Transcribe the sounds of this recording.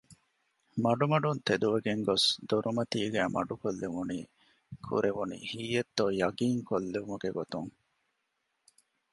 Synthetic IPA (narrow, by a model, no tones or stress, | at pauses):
mɐɖumɐɖunt̪ed̪uʋeɡeŋɡosd̪uɾʔumɐt̪iːɡæːmɐ̰ɖukolːeʋunḭː | kʰṵɾeʋunḭhiːjet̪ːoːjɐɡiːŋkolːeʋumɐɡeɡot̪uŋ